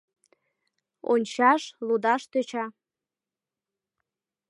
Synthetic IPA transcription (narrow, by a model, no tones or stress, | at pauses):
o̰nʲʃaʂlud̪aʂt̪ʰət͡ʃʰa